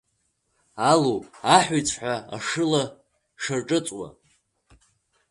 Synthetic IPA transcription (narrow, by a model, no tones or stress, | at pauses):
alowpʼaħʷijt͡sʰʼħᶣʷaa̰ʂɨla | ʂarʈ͡ʂʼɨt͡sʼwa̰